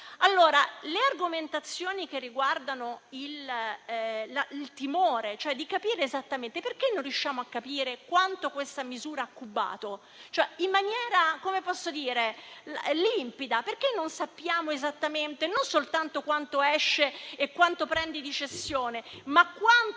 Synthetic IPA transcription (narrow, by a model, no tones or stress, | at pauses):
alːoːɾalearɡoment̪at̪sːjoːnik̟erːiɡward̪anoil | lailt̪imoːɾet͡ʃoɛd̪ikapiːɾeːzat̪ːament̪eperkenːonrjuʃːaːmoakːapiːɾekwant̪okwest̪amizuːɾaakːubːa̰ːt̪o | t͡ʃoɛimːanjɛːɾakomepɔsːod̪iːɾellimpid̪aperk̟enːonsapːjaːmoezat̪ːament̪enonsolt̪ant̪okwant̪oɛʃːeːkːwant̪opɾɛnd̪id̪it͡ʃesːjoːnemakːwan